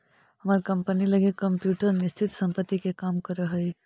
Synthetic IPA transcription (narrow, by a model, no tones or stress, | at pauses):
hɐmaːɾkɐ̃mpənilɐɡekɐ̃mpjuːʈəɾnɪst͡ʃʰɪt̪sɐ̃mpət̪ːikekaːmkɐɾəɦɐe